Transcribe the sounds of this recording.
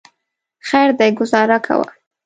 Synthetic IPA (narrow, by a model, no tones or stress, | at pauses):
xajɾd̪ajɡʊzɑɾakʰa̰wa̰